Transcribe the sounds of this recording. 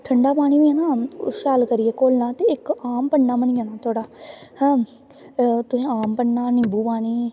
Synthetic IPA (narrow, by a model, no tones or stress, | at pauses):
ʈʰəɳɖaːpaːɽ̃iːʋiːɛːna̰ːʃaːlkəɾɪjeːkoːlnãːt̪eːɪkaːmpəɳnaːmənɪjaːnaːt̪ʰoːɽaːhɛ̃ː | t̪ʊsĩːaːmpəɳnaːnɪːbuːpaːɽ̃iː